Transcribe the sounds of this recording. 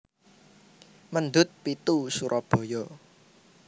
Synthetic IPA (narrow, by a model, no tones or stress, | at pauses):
mənd̪ʊt̪̚pit̪usuɾʔɔb̥ɔ̤jɔ